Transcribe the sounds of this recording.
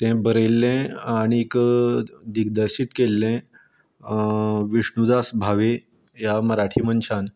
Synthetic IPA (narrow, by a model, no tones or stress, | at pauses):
t̪ɛ̃bəɾelːɛ̃aɽ̃ik | d̪iɡd̪əɾɕiːt̪kelːɛ̃ | ʋiɕɳud̪asbʱaʋe | jaməɾaʈʰiːmənt͡ɕʰan